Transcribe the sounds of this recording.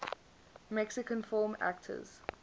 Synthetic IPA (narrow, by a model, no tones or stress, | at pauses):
mɛksɪkə̃nfɔːmæ̰k̚tʰə̰z̥